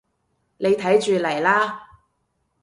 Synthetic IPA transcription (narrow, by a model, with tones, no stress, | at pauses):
ne˨˧jt̪ʰɐ˨˥jt͡ʃyː˨lɐ˨˩jlaː˥